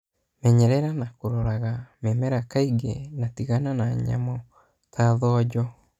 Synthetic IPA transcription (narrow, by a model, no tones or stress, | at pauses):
mɛɲɛɾɛɾanakoɾɔɾaɣamɛmɛɾakaiɡḛnatiɣananaɲa̰mɔ | tʰaðɔd͡ʒɔ